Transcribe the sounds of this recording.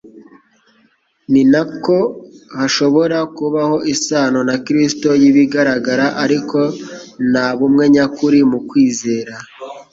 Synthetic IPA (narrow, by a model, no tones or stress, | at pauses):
ninako̞haʃo̞βo̞ɾakuβaho̞ʔisaːno̞nakɾisto̞jiβiɡaɾaɡaɾaʔaɾiko̞naβumŋe̞ɲakuɾimukwiːze̞ːɾa